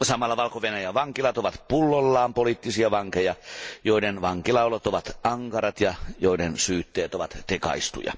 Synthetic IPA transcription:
sɑmɑlːɑʋɑlkoʋenæjæʋɑŋkilɑt̪oʋɑt̪pulːolːɑːmpoliːt̪ːisiɑʋɑŋkejɑjoiɾenʋɑŋkilɑolot̪oʋɑt̪ɑŋkɑɾɑt̪jɑjoidensyːt̪ːeːt̪oʋɑt̪t̪ekɑ̰ist̪ṵjɑ̰

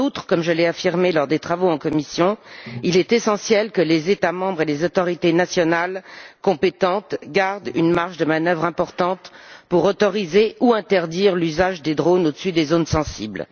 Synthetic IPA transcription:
ut̪χə̥kɔmʒəlɛafiʁmelɔʁd̪et̪χavoɑ̃kɔmisjɔ̃ilɛt̪esɑ̃sjɛlkəlezet̪amɑ̃bʁelezɔt̪ɔʁit̪enasjɔnalkɔ̃pet̪ɑ̃t̪ɡaʁd̪y̰nmaʁʃd̪əmanœvʁɛ̃pɔʁt̪ɑ̃t̪puʁɔt̪ɔʁizeuɛ̃t̪ɛʁd̪iʁlyzaʒd̪ed̪ʁonod̪əsyd̪ezonsɑ̃sḭbl

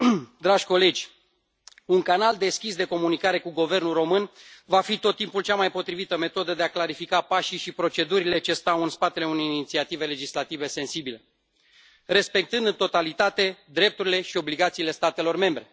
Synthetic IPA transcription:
d̪ɾaʒʲko̞le̞d͡ʒʲ | uŋkanald̪e̞skʲisd̪e̞ko̞munikaɾe̞kuɡove̞rnulro̞mɨnvafit̪o̞t̪ːimpult͡ʃamajpo̞t̪ɾivit̪əme̞t̪o̞d̪əd̪e̞aklaɾifikapaʃiʃipɾo̞t͡ʃe̞d̪uɾile̞t͡ʃe̞st̪awɨnspat̪e̞le̞une̞jinit̪siat̪ive̞le̞d͡ʒislat̪ive̞se̞nsibile̞ | re̞spe̞k̚t̪ɨnd̪ɨt̪ot̪alit̪at̪e̞d̪ɾe̞p̚t̪uɾile̞ʃio̞bliɡat̪siːle̞st̪at̪e̞lo̞rme̞mbɾe̞

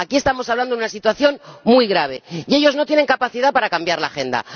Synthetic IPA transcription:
akie̞st̪amosaβland̪ounasit̪waθjo̞nmujɣɾaβ̞e̞ieʝo̞zno̞t̪jene̞ŋkapaθiðapaɾakambjaɾlaxe̞nd̪a̰

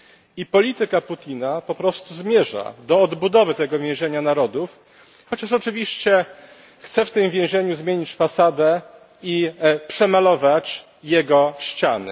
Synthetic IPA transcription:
ipɔlʲit̪ɘkaput̪ʲinapɔpɾɔst̪uzmʲjɛʐa̰d̪ɔːd̪bud̪ɔvɘt̪ɛɡɔvʲjɛ̃w̃ʑɛɲanaɾɔd̪uf | xɔt͡ɕaʂɔt͡ʂɘvʲiɕt͡ɕɛ | xt̪sɛft̪ɘmvʲjɛ̃w̃ʑeɲuzmʲjeɲit͡ɕfasad̪ɛ | ipʂɛmalɔvat͡ɕ | jɛɡɔɕt͡ɕa̰nɘ̰

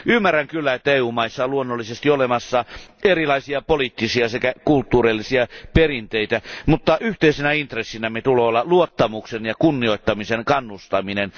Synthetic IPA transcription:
ʔymːæræŋkylːæet̪ːæeːuːmɑisːɑluonːolːisest̪iolemɑsːɑerilɑisiɑpolit̪ːisiɑsekækult̪ːuːrelːisiɑperint̪eit̪æmut̪ːɑyht̪eisenæint̪resːinæmet̪ulolːɑluot̪ːɑmuksenjɑkunːioˑit̪ːɑmiseŋkɑnːust̪ɑminen

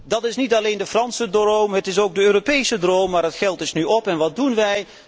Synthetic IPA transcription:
dɑtɪsnitɑlejndəfrɑnsədrowmɦətɪs̬owɡ̚dəøːropejsədrowmːaːɹətχɛlˠtɪsnyɔpɛnʋɑdunʋɛj

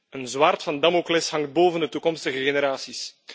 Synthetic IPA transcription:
ənzwartfɑndamoklɪshɑŋt̚boːvəndətukɔmstəɣəɣeneɾaːsis

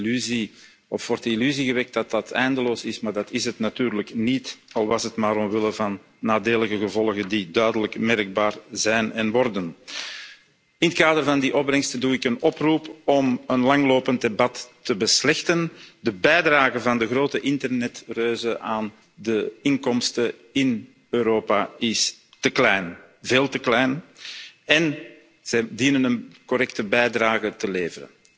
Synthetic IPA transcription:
lyzi | ɔfwɔrtəilyziɣəʋɛk̚t̚dɑtdɑtʰɛ̰jndəloːsɪsmaːrdɑtɪsɦətnatyːrləknitɑlˠʋɑsɦətmaːɾɔmʋɪləvɑnː | aːdeːləɣəɣəvɔlˠɣəndidœɥdələkmɛrɡ̚baːrzɛjnɛnʋɔrdən | ɪnət̚kaːdərvɑndiʔɔb̚brɛŋstəduːɪkənɔprupɔmənlɑŋloːpənt̚debɑtːəbəslɛxtəndəbɛjdraːɣəvɑndəɣroːtəʔɪntərnɛtrøːzəʔaːn | dəɪŋkɔmstə | ɪn | øːɾoːpaɪs | təklɛjn | veːlˠtəklɛjn | ɛn | z̥ɛdinənənkɔɾɛk̚təbɛjdraːɣətəleːvəɾə̰n

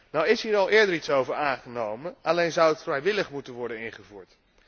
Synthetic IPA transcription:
nawɪsɦiːɹɑlˠɪːɹdəɹitsowvəɹaːnχənowmənɑlejnzʌwətfrɛjʋɪləχmutənʋɔɹdənɪnχəvuːɹt

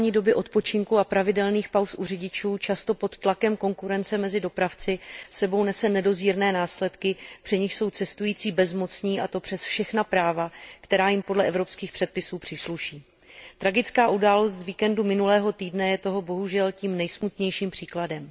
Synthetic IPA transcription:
ɲiːdo̞bɪʔo̞t̪̚po̞t͡ʃɪŋkuapɾavɪdɛlniːxpawsʔurɪɟɪt͡ʃuːt͡ʃast̪o̞po̞t̪ːlakɛmko̞ŋkuɾɛnt͡sɛmɛzɪdo̞pɾaft͡sɪsɛbo̞wnɛsɛnɛdo̞ziːɾnɛːnaːslɛt̪kɪpr̥ɪɲɪxʃso̞wt͡sɛst̪ujiːt͡siːbɛzmo̞t͡sɲiːʔat̪o̞pr̥ɛsfʃɛxnapɾaːvakt̪ɛɾaːjɪmpo̞dlɛʔɛvɾo̞pskiːxpr̥ɛt̪̚pɪsuːpr̝̥ɪsluʃiː | t̪ɾaɡɪt͡skaːʔudaːlo̞st̪zviːkɛndumɪnulɛːɦo̞t̪iːdnɛjɛt̪o̞ɦo̞bo̞ɦuʒɛlciːmnɛjsmut̪ɲɛjʃiːmpr̝̥iːkladɛm

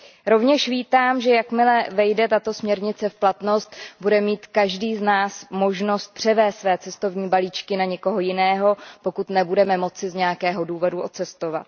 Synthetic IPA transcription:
ɾo̞vɲɛʃviːt̪aːmʒɛjakmɪlɛvɛjdɛt̪at̪o̞smɲɛɾɲɪt͡sɛfplat̪no̞st̪budɛmiːt̪kaʒdiːznaːsmo̞ʒno̞st̪̚pr̝̥ɛvɛːst̪svɛːt͡sɛst̪o̞vɲiːbaliːt͡ʃkɪnaɲɛko̞ɦojɪnɛːɦo̞po̞kut̪nɛbudɛmɛmo̞t͡sɪzɲɛjakɛːɦo̞duːvoduʔo̞t͡sɛst̪o̞va̰t̪

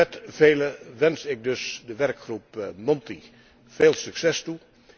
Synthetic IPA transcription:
ɛtv̥eːləʋɛnsɪk̚døsdəʋɛrkxrupmɔnti | v̥eːlˠsyksɛstu

